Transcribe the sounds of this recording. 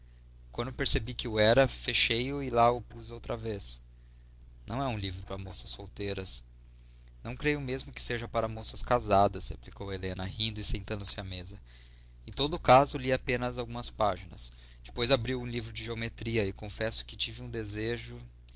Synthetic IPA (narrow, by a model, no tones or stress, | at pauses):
kwɐ̃nd̪peɾsebikɪʊɛɾɐfeʃejʊɪlaʊpuzowt̪ɾɐves | nɐ̰̃w̃ɛũlivɾʊpɾɐmosɐsːowt̪ejɾɐs | nɐ̃w̃kɾejʊmezmʊkɪ̥seʒɐpaɾɐmosɐskazad̪ɐshḛplikowelẽnɐhĩnd̪ʊɪsẽnt̪ɐ̃nd̪ʊsɪɐmezɐ | ẽt̪od̪ʊkazʊliapẽnɐzawɡũmɐspaʒinɐ̰s | d͡ʒɪ̥pojzabɾiwũlivɾʊd͡ʒɪʒeomet̪ɾiɐɪkõfɛsʊ̥kɪt͡ʃivɪũd̪ezeʒʊ